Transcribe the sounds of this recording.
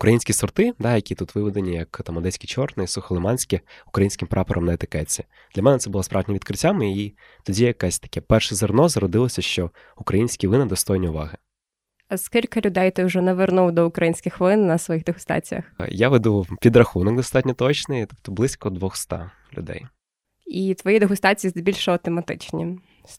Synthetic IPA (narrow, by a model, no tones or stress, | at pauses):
ʊkɾɐjinʲsʲkʲisɔrt̪ɪd̪ɑjɐkʲit̪ut̪ʋɪʋʲɔd̪enʲijɐkt̪ɑmɐd̪ɛsʲkʲit͡ʃɔrnɪsuxɐlˠɪmɑnʲsʲkʲɪʊ̥kɾɐjinʲsʲkɪmpɾʔɑpɔɾʔɐmnɐet̪ɪkɛt͡sʲːi | d̪lʲɐmɛnɛt̪sɛbʊlˠɔspɾʔɑwdʲnʲɐʋʲid̪̚kɾɪtʲːamɪi | t̪ɔdʲijjɐkasʲt̪ɐ̥kɛpɛrʃɛzernɔzɐɾɔd̪ɪlˠɔsʲɐʃt͡ʃɔ | ʊkɾɐjinʲsʲkʲiʋɪnɐd̪ɔst̪ɔjnʲiʊʋɑ̰ɦɪ | ɐskʲilʲkɐlʲʊd̪ɛjt̪ɪʊʒɛnɛʋernuwd̪ɔʊkɾɐjinʲsʲkʲɪxʋlˠɪnːɐsʋɔjiɣd̪eɦʊst̪ɑ̰t͡sʲijɐ̰xjaʋed̪upʲid̪ɾɐxunɔk̚d̪ɔst̪ɑtʲnʲɔt̪ɔt͡ʃnɪt̪ɔpt̪ɔblˠɪsʲkɔd̪ʋɔxst̪ɑ̰ | lʲʊ̰d̪ɛ̰j | it̪ʋɔjid̪eɦʊst̪ɑt͡sʲijizbʲilʲʃɐt̪ɔmɐt̪ɪ̰t͡ʃnʲḭ